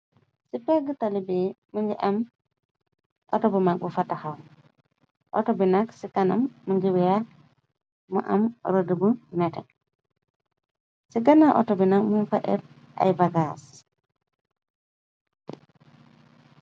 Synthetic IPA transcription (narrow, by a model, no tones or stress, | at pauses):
sipɛɡətalibimuŋɡiʔam | ʔɔtɔbumak̚bufataham | ʔɔ̰tɔbinaksikana̰mːuŋɡiwija | mṵʔa̰mɾodibumɛtɛ̰k | siɡanaʔɔ̰tɔbinakmunfaʔɛ̰ɾ̚ | ʔa̰jbaɡas